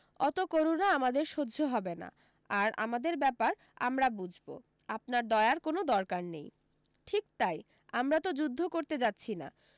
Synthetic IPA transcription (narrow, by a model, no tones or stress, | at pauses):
ɔt̪okoɾonaamad̪eɾʃodd͡ʑʱoɦɔbena̰ | aɾa̰mad̪eɾbɛpaɾ | a̰mɾabud͡ʑʱbo̰ | apnaɾd̪ɔeaɾkonod̪ɔɾkaɾnej | ʈʰik̚t̪aj | amɾat̪od͡ʑud̪ʱːokoɾt̪ed͡ʑat̪ːɕʰina̰